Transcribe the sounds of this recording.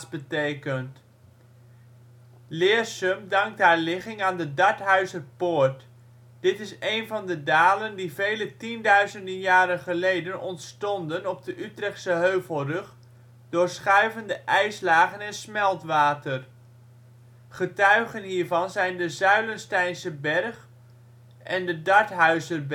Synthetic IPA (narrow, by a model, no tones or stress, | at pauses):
sbətejkənt | lɪːsɵmdɑŋk̚tɦaːɹlɪχɪŋaːndədɑɹtɦœɥzərpoːɹt | d̥ɪtɪsejnvɑndədaːləndivejlətindœɥzəndənjaːɾənχəlejdənɔntstɔndənɔb̚dəʔytrɛχtsəɦøɥvəlˠrɵχ | dʊːɹsχœɥvəndəʔɛjslaːχənɛnsmɛlˠtʋaːtər | χətœɥχənɦiːɹvɑnzɛjndəzœɥlənstɛjnsəbɛrχ | ʔɛndədɑɹtɦœɥzərb